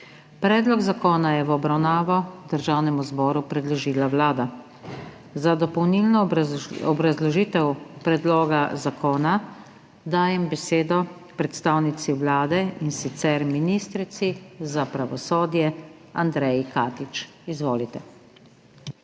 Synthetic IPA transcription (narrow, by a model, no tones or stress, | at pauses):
pɾɛːd̪lɔɡzakoːnajɛʋɔbɾawnaːʋɔd̪əɾʒaːwnɛmuzbɔːɾupɾɛd̪lɔʒiːlawlaːd̪a | zad̪ɔpɔwnilnɔɔbɾazlɔʒiːt̪ɛwpɾɛd̪loːɡazakoːna | d̪aːjɛmbɛseːd̪ɔ | pɾɛt̪st̪aːwnit̪siwlaːd̪ɛinsit̪sɛɾminiːst̪ɾit̪sizapɾaʋɔsoːd̪jɛ | and̪ɾɛjkaːt̪it͡ʃ | izʋoːlit̪ɛ